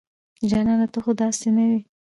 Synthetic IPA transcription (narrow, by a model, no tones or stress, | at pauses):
d͡ʒɑnɑlat̪əxod̪ɑsenawi